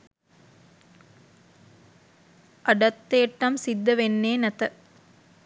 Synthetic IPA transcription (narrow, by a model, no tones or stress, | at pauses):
ʔɐɖɐt̪ːeːʈːɐmsid̪ːɐʋenːeːnɐt̪ɐ